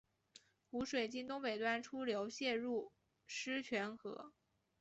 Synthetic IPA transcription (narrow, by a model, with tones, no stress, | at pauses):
xu˧˥ʂwe˨˩ɪt͡ɕi˥nt̪ʊ˥ŋpe˨˩ɪt̪wa˥˩nʈ͡ʂʰu˥ljo˧˥ʊɕjɛ˥˧ɻu˥˩ | ʂɻ̩˥t͡ɕʰɥɛ˧˥nxɤ̰˧˥